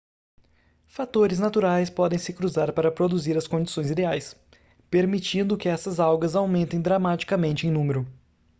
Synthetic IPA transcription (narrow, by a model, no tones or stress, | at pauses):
fat̪oɾɪznat̪uɾajspɔd̪ẽj̃sɪkɾuzaɾpaɾɐpɾod̪uziɾɐskõd͡ʒisõj̃zid̪eajs | peɾmit͡ʃĩnd̪ʊkɪɛsɐzawɡɐzawmẽnt̪ẽj̃d̪ɾamat͡ʃi̥kɐmẽnt͡ʃɪẽj̃nũmeɾʊ